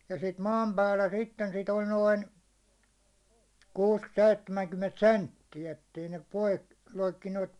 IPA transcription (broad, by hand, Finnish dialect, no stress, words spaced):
jɑ sit mɑːm pæːlːæ sitːen sit olʲ noin kuːs seitːemæŋkymːent sentːiæ etːei ne pois loikːineːt